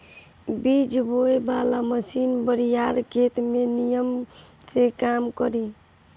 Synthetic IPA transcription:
bid͡ʒbojbalaməsinbəɾijaɾkʰet̪menijəm | sekamkəɾi

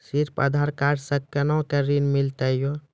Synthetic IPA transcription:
siɾpə̰d̪ʱaɾkaʈsəkːənɔkəɾinmilt̪əjo

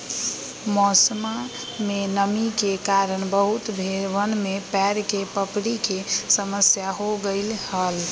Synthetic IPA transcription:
mɔsma | menəmikekaɾəɳbəɦut̪bʱeɾʋənmepɛɾkepəpɽikesəməsjaɦoɡəɪlhəl

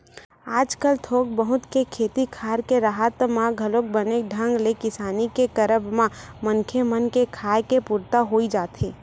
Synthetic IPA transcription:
aːd͡ʒkəlt̪ʰoːk̚bəɦʊt̪kekʰeːt̪ikʰaːɾkeɾaːɦət̪mãɡʱɐloːk̚bəneɖʱə̃ŋɡlekɪsaːnikekəɾəbmãmənkʰemənkekʰaːjkepuɾt̪aɦoːid͡ʒaːt̪eː

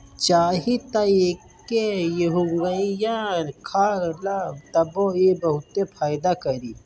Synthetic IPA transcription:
t͡ʃaːɦit̪aeːkː | ejeɦuŋɡɐĩjankʰaːɾlat̪ɐboebɐɦut̪ːẽpʰaːjd̪akɐɾiː

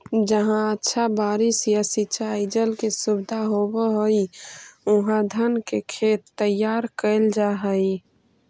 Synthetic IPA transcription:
d͡ʒəɦãətːʃʰabaːɾɪsjasit͡ʃaɪd͡ʒəlkesubɪd̪ʱaɦobeɦoiʊɦãd̪ʱənkekʰeːt̪ːəjaːɾkəɪld͡ʒaɦəi

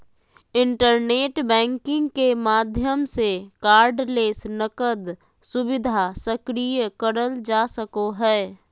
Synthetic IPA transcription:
ɪ̃ɳʈəɾneːʈbɛ̃ːŋkɪ̃ŋɡkemaːd̪ʱjəmsekaːɾɖleːsnəkəd̪ | sʊbɪd̪ʱasəkɾijəkəɾəld͡ʒaːsəkoɦɛː

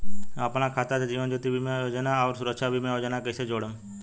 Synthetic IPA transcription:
ə̰pñãːkʰaːt̪ated͡ʒiːʋə̃nd͡ʒot̪ibʱiːmẽjoːd͡ʒənaɔːɾsʊɾəkʃabʱiːmẽːoːd͡ʒənakəsed͡ʒoːɽəm

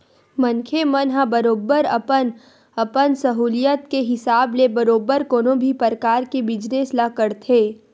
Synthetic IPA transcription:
mɐnkʰemənɦãbɐɾoːbəɾɐpən | ɐpənsɐɦuːlijət̪keɦɪsaːblebɐɾoːbəɾkoːnõbʱipəɾkaːɾkebɪd͡ʒneslakəɾt̪ʰeː

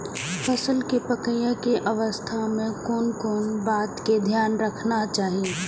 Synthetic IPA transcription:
fəsəlkepəkəjə̃keʔɐʋəst̪ʰamẽkɔːnkɔːnbaːt̪ked̪ʱjaːnɾəkʰnat͡ʃaːɦie

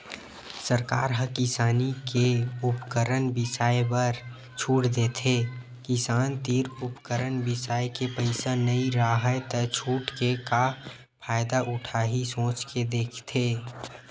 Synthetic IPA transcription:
səɾka̰ːɾɦəkɪsaːnikeʊpkəɾənbɪsaːjbəɾ | t͡ʃʰuːʈd̪eːt̪ʰe | kɪsaːnt̪iːɾʊpkəɾənbɪsaːjkepəɪsanəĩɾaɦət̪ət͡ʃʰuːʈkeka | pʰaːɪd̪aʔʊʈʰaːɦisõːt͡ʃked̪eːkʰt̪ʰeː

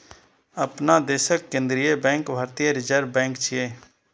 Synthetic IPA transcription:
əpnaːd̪eːʃəkːẽnd̪ɾɪeːbɛ̃ːŋkbʱaːɾt̪ijəɾɪd͡ʒəɾbɛ̃ːŋkt͡ʃʰɪeː

